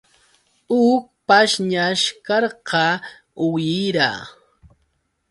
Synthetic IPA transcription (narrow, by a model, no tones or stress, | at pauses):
ʊk̚paʃɲaʃkɑɾqɑ | ʊjɪɾa̰